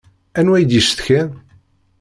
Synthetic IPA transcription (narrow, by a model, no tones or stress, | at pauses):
ænwæjd̪jiʃθçæn